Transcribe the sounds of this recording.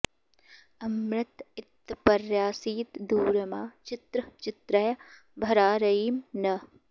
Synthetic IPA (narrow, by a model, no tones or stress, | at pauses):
ɐmɾɪt̪ɪt̪ːpɐɾjaːsiːt̪d̪uːɾɐmaːt͡ʃɪt̪ɾət͡ʃɪt̪ɾɐj | bʱɐɾaːɾɐɦiːmnɐ